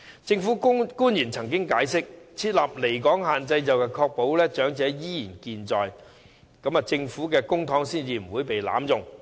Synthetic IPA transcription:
t͡sɪ˧ŋfu˨˥kkuː˥njiː˨˩nt͡sʰɐ˨˩ŋkɪ˥ŋkaː˨˥jsɪ˥k̚t͡sʰiː˧t̚laː˨p̚le˨˩jkɔː˨˥ŋɦaː˨nt͡sɐ˧jt͡sɐ˨wkɛː˧kʰɔː˧k̚po˨˥wlɛː˥t͡ʃœː˨˥ŋt͡sɛː˨˥jiː˥jiː˨˩nkiː˨nt͡sɔː˨j | kɐ˨˧˥mɐ˨t͡sɪ˧ŋfuː˨˥kɛː˧kʊ˥ŋt̪ʰɔː˨˥ŋsiː˥nt͡siː˨m̩˨˩wuː˨˧jpe˨jla̰ː˨˥mjʊ˨ŋ

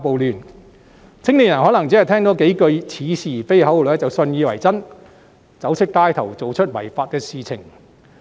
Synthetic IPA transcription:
po˨wlyː˨˩n | t͡sʰɪ˥ŋnli˨njɐ˨˩nɦɔː˨˥nɐ˨˩ŋt͡siː˨˥ɐ˨jt̪ʰɛː˥ŋt̪o˨˥ke˨˥jkɵ˧ɥt͡sʰiː˨˧siː˨˩fe˥jɦɐ˨˥wo˨˩˨ɛ˥t͡sɐ˨wsɵ˧njiː˧wɐ˨˩jt͡sɐ˥n | t͡sɐ˨˥wsʰɪ˥k̚t̪aː˥jt̪ʰɐ˨˩wt͡so˨wt͡ʃʰɵ˥t̚wɐ̰˨˩jfaː˧t̚kɛː˧siː˨t͡sʰɪ̰˨˩ŋ

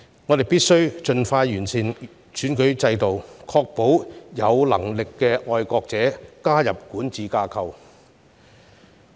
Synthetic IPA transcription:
ŋɔː˨˧t̪e˨jpiː˥t̚sɵ˥ɥt͡ʃɵ˧nfaː˧jjyː˨˩nsʰiː˨˩n | sʰyː˨˥nkɵ˨˥t͡sɐ˧jt̪o˨wkʰɔː˧k̚po˨˥wjɐ˨˧wlɐ̰˨˩ŋlɪ˨kːɛː˧ɔː˧jkɔː˧k̚t͡sɛː˨˥kaː˥jɐ˨p̚kuː˨˥nt͡siː˨kaː˧kʰɐ˧w

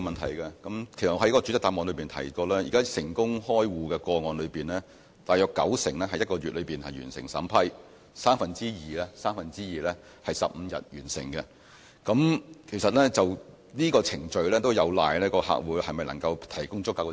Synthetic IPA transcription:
mɐ˨nt̪ʰɐ˨˩jkɐ˧kɐ˨˥mkʰe˨˩sɐ˨t̚ɐ˨˥jkɔː˥ɔ˧t͡ʃy˨˥t̪aː˧˩ŋɔː˨˧nlɵ˨˧ɥpi˨nt̪ʰɐ̰˨˩jkɔː˧lɛː˥jiː˨kaː˥sɪ˨˩ŋkʊ˥ŋhɔː˥jwuː˨˧kɛ˧kɔː˧ŋɔː˨˧nlɵ˨˧ɥpiː˨nlɛː˥ | t̪aː˨jœː˧kːɐ̰˨˥wsɪ̰˨˩ŋlɛː˥hɐ˧jɐ˥tkɔː˧ɥyː˨t̚lɵ˨˧ɥpiː˨nhɐ˨jyː˨˩nsɪ̰˨˩ŋsɐ̰ː˨˥mpʰɐ˥j | saː˥mfɐ˨nt͡siː˥jiː˨˩lɛː˥saː˥mfɐ˨nt͡siː˥jiː˨˩lɛː˥ | hɐ˨˩jsɐ˨p̚m̩˨˧jɐ̰˨t̚jyː˨˩nsɪ̰˨˩ŋkɛ˧ | kɐ˨˥mkʰe˨˩sɐ˨t̚lɛː˥t͡sɐ˨˩w | niː˥kɔː˧t͡sʰɪ˨˩ŋt͡ʃɵ˨˧ɥlɛː˥t̪o˥wjɐ˨˧wla̰ː˨jlɛː˥kɔː˧ha̰ː˨k̚wuː˨˥jhɐ˨jmɐ˨jnɐ˨˩ŋkɐ˧wt̪ʰɐ˨˩jkʊ˥ŋt͡sʊ˥kːaː˨˧k

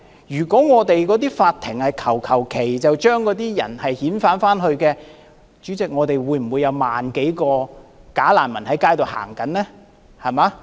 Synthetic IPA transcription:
jyː˨˩kɔː˨˥ŋɔː˨˧t̪e˨jkɔː˨˥t̪̬iː˥faː˧t̪̚ʰɪ˨˩ŋhɐ˨jkʰɐ˨˩wkʰɐ˨˩wkʰe˨˩jt͡sɐ˨wt͡ʃœː˥ŋkɔː˨˥t̪iː˥jɐ̰˨˩nhɐ˨jhiː˨˥nfaː˨˥nfaː˥nhɵ˧ɥkɛː˧ | t͡ʃyː˨˥t͡sɪ˨k̚ŋɔː˨˧t̪e˨jwuː˨˧˥jm̩˨˩wuː˨˧jːɐ˨˧wma̰ː˨nke˨˥jkɔː˧kaː˨˥la̰ː˨˩nmɐ˨˩nhɐ˨˥jkaː˥jt̪o˨˧wha̰ː˨˩ŋkɐ˨˥nnɛː˥ | hɐ˨˩maː˨˧˥

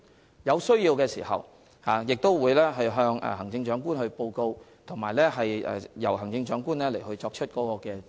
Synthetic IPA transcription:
jɐ˨˧wsɵ˥ɥjiː˧wkɛː˧siː˨˩hɐ̰˨w | haː˨˧jɪ˨k̚t̪o˥wwuː˨˧jlɛː˥ɦɐ˨˧jɦœː˧ŋɛ̰ː˨˩ɦɐ˨˩ŋt͡sɪ˧ŋt͡ʃœː˨˥ŋkuː˥nhɵ˧ɥpo˧wko˧w | t̪ʰo˨˩ŋmaː˨jlɛː˥ɦɐ˨jɛ̰ː˨jɐ˨˩wɦɐ˨˩ŋt͡sɪ˧ŋt͡ʃœː˨˥ŋkuː˥nlɛː˥le˨˩jhɵ˧ɥt͡sːk̚t͡ʃʰɵ˥t̚kɔː˨˦˥kɔː˧kɛː˧

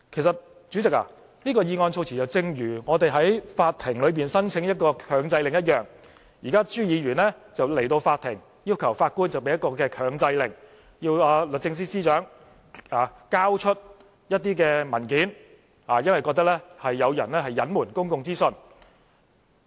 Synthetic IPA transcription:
kʰe˨˩jsɐ˨t̚ | t͡ʃy˨˥t͡sɪ˨k̚a̰˨ | niː˥kɔː˧jiː˨˧ŋɔː˧nt͡sʰo˧wt͡sʰiː˨˩t͡sɐ˨wt͡sɪ˧ŋjyː˨˩ŋɔː˨˧t̪e˨jɦɐ˨˥jfaː˧t̚t̪ʰɪ˨˩ŋlɵ˨˧piː˨nsɐ˥nt͡sʰɪ˨˥ŋjɐ˥t̚kɔː˧kʰœː˨˧ŋt͡sɐ˧jlɪ˨ŋjɐ˥t̚jœː˨˩ŋ | jiː˨˩kaː˥t͡ʃyː˥jiː˨˧ɥyː˨˩nlɛː˥t͡sɐ˨wle˨˩jt̪o˧wfaː˧t̪ʰɪ˨˩ŋ | jiː˥wkʰɐ˨˩wfaː˧t̚kuː˥nt͡sɐ˨wpe˨˧jɐ˥t̚kːɔː˧kɛː˧kʰœː˨˧ŋt͡sɐ˧jlɪ˨˩ŋ | jiː˧waː˨˧lə˨t͡sɪ˧ŋs̬iː˥siː˥t͡ʃœː˨˥ŋ | aː˨kaː˥wt͡ʃʰɵ˥t̚ | jɐ˥t̚t̪iː˥kɛː˧mɐ˨˩nki˨˥n | haː˨˩jɐ˥nwɐ˨jkɔː˧k̚t̪ɐ˥k̚lɛː˥hɐ˨jːɐ˨˧wjɐ˨˩nlɛː˥hɐ˨jːɐ˨˥nmuː˨˩nkʊ˥ŋkʊ˧ŋt͡siː˥sɵ˧n

